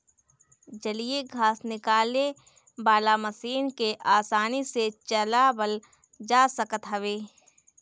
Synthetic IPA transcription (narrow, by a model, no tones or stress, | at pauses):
d͡ʒɐlieɡʱaːsnɪkaːle | baːlaməsiːnkeʔaːsaːniset͡ʃɐlabəl | d͡ʒaːsəkət̪ɦɐʋeː